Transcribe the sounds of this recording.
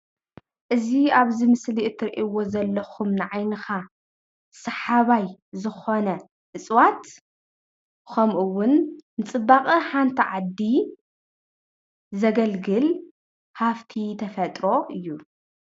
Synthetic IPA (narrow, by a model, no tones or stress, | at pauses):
ʔɨziaβzimɨsliʔɨt̪ʰːɨɾʔiwo̞zɐlːɐxumnɨʕajnɨxa | sɐħaβajzɨxo̞nɐ | ʔɨt͡sʼwat̪ | kʰomʔuwʊnːɨt͡sʼɨbːaχʼɨħant̪ʰiʕad̪ːi | zɐɡɐlɡɨl | haft̪ʰit̪ʰɐfɐt̪ʼɾo̞ʔɨjːu